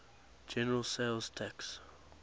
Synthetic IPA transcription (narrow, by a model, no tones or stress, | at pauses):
d͡ʒɛnəɹəlˠseɪlˠz̥tʰɛks